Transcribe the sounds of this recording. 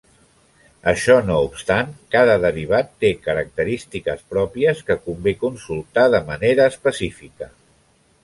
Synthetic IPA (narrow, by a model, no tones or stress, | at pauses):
əʃɔnoupst̪aŋkað̞əðəriβ̞at̪ːekəɾək̚t̪əɾist̪ikəspɾɔpiəskəkumbekunsulˠt̪aðəməneɾəːspəsifikə